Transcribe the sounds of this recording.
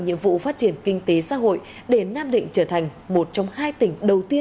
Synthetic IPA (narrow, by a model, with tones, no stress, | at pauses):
ɲḭ˧əmvṵ˧˨faː˦˥t̚t͡ɕi˧˩ənkï˧ŋ̟t̪e˨˦sa̰ː˧˥ɦo̰˧˨j | ɗe˧˩naː˧mɗḭ̈˧˨ŋ̟t͡ɕəː˧˩t̪ʰa˨˩jŋ̟mo˨˩t̚t͡ɕɔ˧wŋ͡mhaː˧jt̪ï˧˩ŋ̟ɗə˨˩wt̪i˧ə